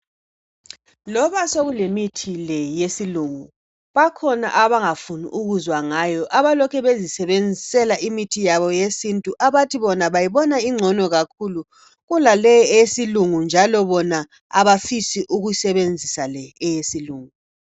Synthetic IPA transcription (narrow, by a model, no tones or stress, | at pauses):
lɔβasoɣulemitʰilɛjesiluŋu | βakʰɔna̰ʔaβaŋafunḭʔuɣuzwaŋajɔʔaβalɔkʰɛβezisɛβend͡zʱisɛlaimitʰijaβɔjesintʼuʔaβatʰiβɔnaβajiβɔnaiŋ͡ǀʱɔnɔɣakʰulu | ɣulalɛjɛjesiluŋund͡ʒʱalɔβɔna | aβafisiʔuɣuisɛβend͡zʱisalɛɛjesiluːŋu